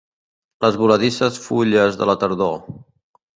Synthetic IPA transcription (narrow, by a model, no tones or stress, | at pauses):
ləzβuləðisəsfuʎəzðə̰lət̪əɾðo